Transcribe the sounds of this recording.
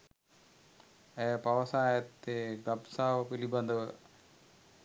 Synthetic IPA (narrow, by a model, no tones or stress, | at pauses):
eːpɐʋɐsaːjɐt̪ːeɡɐbsaːʋɐpilibɐnd̪ʱɐʋɨ